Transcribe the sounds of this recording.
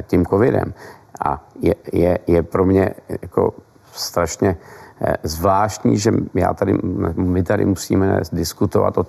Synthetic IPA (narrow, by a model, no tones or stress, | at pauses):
cimkovɪdɛ̰mʔa̰jɛjɛjɛpɾo̞mɲɛjako̞̰ | st̪ɾaʃɲɛ | zvlaːʃtɲiːʒɛja̰ːt̪adɪnɛbmɪt̪adɪ̰musḭːmɛdɪskut̪ova̰t̪ʔo